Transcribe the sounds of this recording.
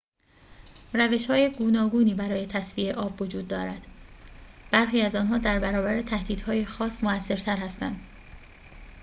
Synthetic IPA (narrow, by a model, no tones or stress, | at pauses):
ræve̞ʃhɒːjeɡuːnɒːɡuːniːbæɾɒːje̞t̪ʰæsviːe̞ʔɒːbvod͡ʒuːd̪̚ːɒːɾæd̪̥ | b̥æɾxiːæzɒːnɦɒːd̪æɾbæɾɒːbæɾet̪ʰæhd̪iːd̪̥hɒːjexɒːsmoæsːe̞ɾt̪ʰæɾhæst̪æ̰nd̪